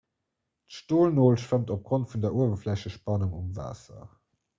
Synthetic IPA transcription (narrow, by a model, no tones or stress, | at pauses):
tʃtoːlnoːlʃvəmtop̚ɡ̥ʁontfundɐuəvɐflæɕəʃpɑnuŋumva̰ːsɐ̰